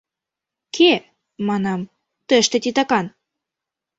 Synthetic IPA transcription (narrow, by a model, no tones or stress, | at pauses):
kʰe | mɑnɑm | t̪əʃt̪ĕt̪ʲit̪ɑkɑn